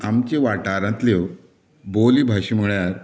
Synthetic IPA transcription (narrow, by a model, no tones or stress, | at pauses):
amt͡ɕeʋaʈaɾãt̪lew | boliːbʱaɕim̤əɭjaɾ